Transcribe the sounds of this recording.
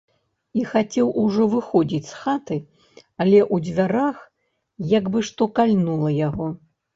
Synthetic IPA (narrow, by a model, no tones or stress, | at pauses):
ixat͡sʲɛwʔuʐɔvɨxɔd͡zʲit͡sʲsxat̪ɨ | alʲɛʔud͡zʲvʲaɾax | jaɡbɨʂt̪ɔkalʲnulˠɐjaɣɔ